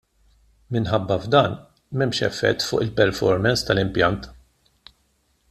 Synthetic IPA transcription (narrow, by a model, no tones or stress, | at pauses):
mɪnħɐbːɐvd̪ɐːn | mɛmʃɛ̰fːɛ̰t̪ːfʊ̰ːʔɪlpɛɾfɔ̰ɾmɛnst̪ɐlɪmpjɐnt̪